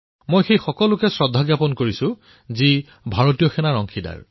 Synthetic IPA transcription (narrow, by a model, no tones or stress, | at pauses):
mojxejxɔkɔlʊkɛsɹɔdʱːaɡjapɔnkoɹisʊ̃ | zi | bʱaɹotijɔxɛnaɹɔŋkʰida̰ɹ